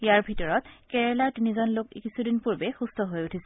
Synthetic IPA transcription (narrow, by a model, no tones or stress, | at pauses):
ijaɹbʱitɔɹɔtkɛɹɛlaɹtinizɔnlokḭkisudinpuɹbɛxustʰɔɦojutʰisɛ